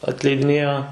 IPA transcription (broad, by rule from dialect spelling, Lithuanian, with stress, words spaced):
ɐtʲlʲɛɪdʲɪˈnʲeːjoː